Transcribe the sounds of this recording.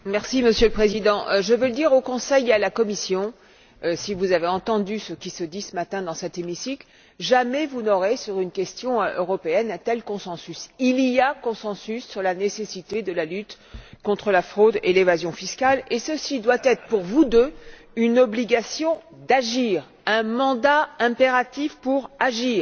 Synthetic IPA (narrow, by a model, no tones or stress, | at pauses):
mɛʁsiməsjøləpχezid̪ɑ̃ʔʒəvøləd̪iʁokɔ̃sɛjealakɔmisjɔ̃ | sivuzaveɑ̃t̪ɑ̃d̪ysəkʲisəd̪isəmat̪ɛ̃d̪ɑ̃sɛt̪emisikl | ʒamɛvunɔʁesyʁynkʲɛst̪jɔ̃ʔøʁɔpeɛnɛ̃t̪ɛlkɔ̃sɑ̃sysilijakɔ̃sɑ̃sysːyʁlanesesit̪ed̪əlalyt̪ | kɔ̃t̪χəlafχod̪elevazjɔ̃fiskalesəsid̪wat̪ɛt̪χə̥puʁvud̪ø | ynɔbliɡasjɔ̃d̪aʒiʁ | ɛ̃mɑ̃d̪aɛ̃peʁat̪ifpuʁaʒiːʁ